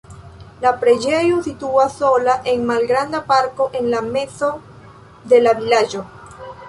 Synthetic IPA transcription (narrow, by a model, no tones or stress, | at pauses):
lapɾe̞d͡ʒejusit̪uaso̞laʔe̞ŋmalɡɾand̪apaɾko̞ʔenlame̞so | d̪e̞laβilaʒo